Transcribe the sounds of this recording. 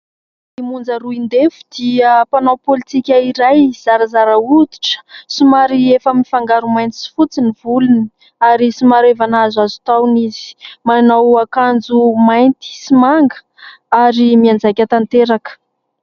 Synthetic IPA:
imund͡zaɾuind̪efu̥d̪̥iəpanawpolit̪ikʲaiɾajz̥aɾazaɾaud̪i̥ʈ͡ʂə̥simaɾiefəmifaŋɡaɾumajnt̪i̥si̥fut͡sinivuluni | aɾisimaɾevanazazu̥t̪awnizi̥manawakand͡zumajnt̪i̥simaŋɡə̥ | aɾimiand͡zakʲat̪ant̪eɾakə̥

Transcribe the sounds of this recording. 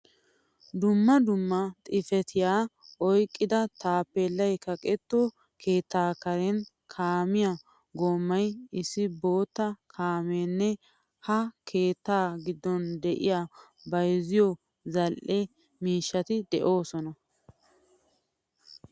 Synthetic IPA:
d̪ʊmːɐd̪ʊmːɐt̪ʼɪfɛt̪ʰɪjaːʔɔjkʼːɪd̪ɐt̪aːpːelːɐjkɐkʼɛt̪ːo | kʰeːt̪ːaːkɐɾɛn | kʰaːmɪja | ɡoːmːɐjɪsːɪbo̞ːt̪ːɐkʰaːmeːnːɛ | hɐkʰe̞ːt̪ːaːɡɪd̪ːɔnd̪ɛʔɪ̰jaː | bɐjzɪjɔ | zɐlʔɛ | miːʃːɐt̪ɪd̪ɛʔo̞ːsɔnɐ

